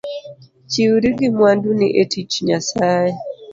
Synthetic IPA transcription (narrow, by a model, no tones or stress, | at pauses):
t͡ʃiwɾiɡɪmwanduniʔetit͡ʃɲasaɛ